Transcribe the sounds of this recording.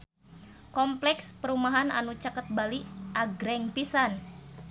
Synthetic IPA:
kɔmplɛkspəɾumaɦana̰nut͡ʃakət̪̚baliʔaɡɾɛŋpisan

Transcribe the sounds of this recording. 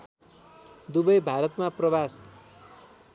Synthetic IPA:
d̪ubʌjbʱaɾʌt̪maprʌbas

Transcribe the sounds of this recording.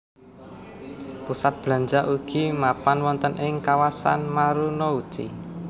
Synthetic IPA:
pusat̪̚b̥la̤ɲd͡ʒaʔuɡ̥imapanwɔnt̪ənʔɪŋkawasa̰nmaɾunɔud̥ʒ̥ḭ

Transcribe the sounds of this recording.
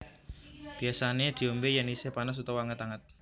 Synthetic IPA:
b̥i̤asaned̪̥i̤ombejanisɪhpanəs̬ut̪ɔwaŋət̪aŋət̪̚

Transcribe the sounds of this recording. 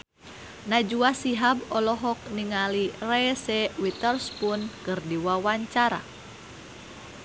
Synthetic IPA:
nad͡ʒuasiɦabɔlɔɦɔk̚niŋalirɛsɛwit̪ərspunkɨrdiwawaɲt͡ʃaɾa̰

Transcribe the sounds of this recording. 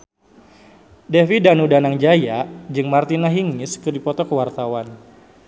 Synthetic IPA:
dɛfidanudanaŋd͡ʒajaʔd͡ʒɨŋmart̪inaɦiŋɪskɨdipɔt̪ɔkəwart̪awan

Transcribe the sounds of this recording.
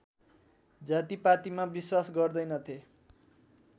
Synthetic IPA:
d͡zat̪ipat̪imabiswasɡʌrd̪ʌjnʌt̪ʰe

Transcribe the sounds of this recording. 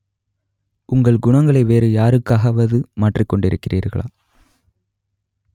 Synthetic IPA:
ʔʊŋɡɐɭɡʊɳɐŋɡɐɭɐɪʋeːɾɯjaːɾɯkːaːɣɐʋɐðɯmaːʈrikːɔɳɖɪɾɯkːɪrḭːɾɣɐ̰ɭa̰ː

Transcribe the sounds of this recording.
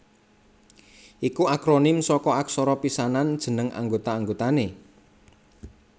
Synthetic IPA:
ʔikuakɾonɪmsɔkɔaksɔɾɔpisanand̥ʒ̥ə̤nəŋa̰ŋɡot̪aːŋɡot̪ane

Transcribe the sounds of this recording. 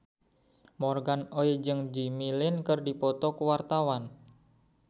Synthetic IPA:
mɔrɡanoid͡ʒɨŋd͡ʒimilɪnkərdipɔt̪ɔkəwart̪awan

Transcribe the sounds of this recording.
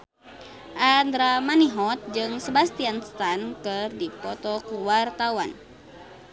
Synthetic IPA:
ʔand̪ɾamaniɦɔt̪̚d͡ʒɨŋsəbast̪ianst̪ankɨrdipɔt̪ɔkuwart̪awa̰n

